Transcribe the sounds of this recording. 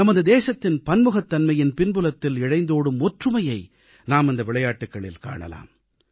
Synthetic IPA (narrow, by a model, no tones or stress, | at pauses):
ɐmɐðɯd̪eːsɐt̪ːɪnpɐnmɯɣɐt̪ːɐnmɐjɪnpɪnbɯlɐt̪ːɪlɪɻɐɪnd̪oːɽɯmɔʈrɯmɐjɐɪ | naːmɪnd̪ɐʋɪɭɐjaːʈːɯkːɐɭɪ̰lka̰ːɳɐ̰la̰ːm